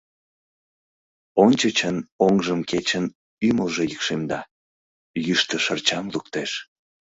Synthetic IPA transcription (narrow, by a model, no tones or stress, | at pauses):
onʲt͡ɕət͡ɕənoŋʒəmket͡ɕən | yməlʒejikʃemd̪ɑ | jyʃt̪əʃərt͡ɕɑmlukt̪eʃ